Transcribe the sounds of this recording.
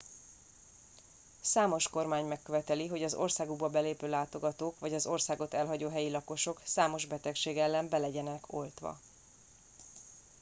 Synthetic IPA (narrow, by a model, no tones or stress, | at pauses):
saːmo̞ʃko̞rmaːɲmɛkːøvɛt̪ɛliɦo̞ɟɒzo̞̰rsaːɡoɡbɒbɛleːpøːlaːt̪o̞ɡɒt̪oːkʋɒɟɒzo̞rsaːɡo̞t̪ɛlɦɒɟoːɦɛjilɒko̞ʃo̞ksaːmo̞ʒbɛt̪ɛkʃeːɡɛlːɛmbɛlɛɟɛnɛkʰo̞lt̪ʋɒ̰